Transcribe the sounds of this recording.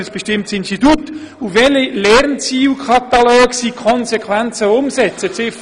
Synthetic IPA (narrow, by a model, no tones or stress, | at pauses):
əsb̥ɛʃtɪmtsɪnstitut | uvɛlilɛɾnt͡siːlkʰɑt̪ɑlɔːksikʰɔnsɛkʰvænt͡səʊmsɛt͡sət͡sɪf